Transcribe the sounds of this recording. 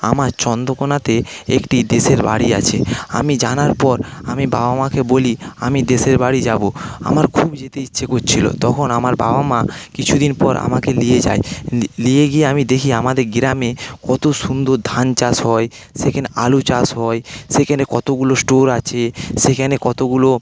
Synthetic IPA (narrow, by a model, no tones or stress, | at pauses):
a̰maɾt͡ɕɔnd̪okonat̪eekʈid̪eʃeɾba̰ɽia̰t͡ɕʰea̰mid͡ʑanaɾpɔɾamiba̰bamakeboliamid̪eseɾbaɽid͡ʑaboa̰maɾkʰubd͡ʑet̪eitːɕʰekott͡ɕʰilo̰t̪ɔkʰonamaɾba̰bamakit͡ɕʰud̪inpɔɾʔa̰makelijed͡ʑa̰elieɡijeamid̪ekʰiamad̪eɾɡɾamekɔt̪oʃund̪ʱod̪ʱant͡ɕasɦɔe | ʃekʰɛnealut͡ɕasɦɔeʃekʰɛnekɔt̪oɡulosʈoɾat͡ɕʰeʃekʰɛnekɔt̪oɡulo